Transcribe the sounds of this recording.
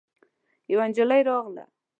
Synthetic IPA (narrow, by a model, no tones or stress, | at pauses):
jawand͡ʒalajɾɑɣla̰